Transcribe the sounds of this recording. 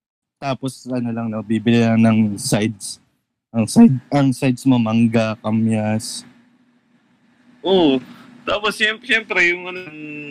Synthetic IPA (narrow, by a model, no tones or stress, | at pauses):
t̪aːposɐnolɐŋnobibɪlɪlɐŋnɐŋsajd̪̚s | ʔɐŋsajd̪̚ɐŋsajd̪̚smomɐŋɡakɐmjas | ʔot̪aːposjɛmpʃɛmpɾɛjʊŋɐnoŋ